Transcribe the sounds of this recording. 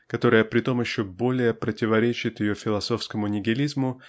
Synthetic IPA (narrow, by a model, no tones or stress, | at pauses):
kɐt̪o̞ɾəjəpɾʲɪt̪o̞mjɪɕːo̞bo̞lʲɪjəpɾətʲɪvɐɾʲet͡ɕɪt̪jɪjo̞fʲɪlˠɐso̞fskəmʊnʲɪɡʲɪlʲizmʊ